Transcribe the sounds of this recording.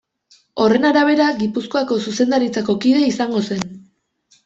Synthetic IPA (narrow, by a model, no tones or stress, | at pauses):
o̞re̞naɾaβ̞e̞ɾaɡipusko̞ako̞suse̞nd̪aɾit͡sako̞kiðe̞isaŋɡo̞se̞n